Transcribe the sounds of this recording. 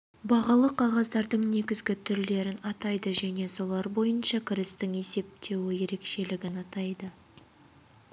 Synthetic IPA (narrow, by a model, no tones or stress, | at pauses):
bɑʁɑlˠəqʰɑʁɑzd̪ɑɾd̪əɴne̞ɡʲɪzɡʲɪt̪ʰʏɾle̞ɾɪnɑt̪ɑjd̪əʒæne̞so̞lˠɑɾbo̞jənʃɑkʲʰɪɾɪst̪ɪŋe̞se̞p̚t̪e̞wɪje̞ɾe̞kʃe̞lɪɡʲɪnɑt̪ɑjd̪ə